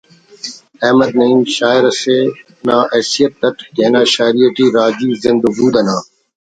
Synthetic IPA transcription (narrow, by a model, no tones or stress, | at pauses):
ɛːməd̪̚nɐiːmʃaːɪɾseː | nãːɛːsijət̪̚d̪ɐt̪keːnãːʃaːɪɾiəʈiːɾaːd͡ʒiːzɪ̃nd̪ubuːd̪ɐnãː